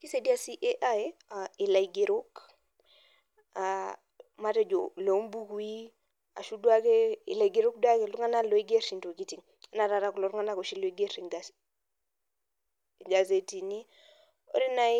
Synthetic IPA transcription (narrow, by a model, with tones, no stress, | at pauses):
ki˦se˨di˦a˦si˦ʔe˦ʔa˦jai˨la˨i˨ɡe˨ɾo˦k | a˨ | ma˦te˨d͡ʒo̰˨lo˨˦mbu˦ku˦i˦ | a̰˨ʃu˦du˦a˦ke˦ḭ˨la˨i˨ɡe˨ɾu˦k̚du˦a˦ke˨lu˦ŋa˦na˦lo˨i˦ɡe˦ɾi˨nto˨ki˦ti˨ŋ | a˦na˨ɾa˨ɾa˨ku˨lo˨ɾu˦ŋa˦na˦ko˨ʃi˦lo˨i˦ɡe˦ɾi˨ɡa | ɡa˨ze˨ti˨ni˦ | o̰˦ɾi˦na˦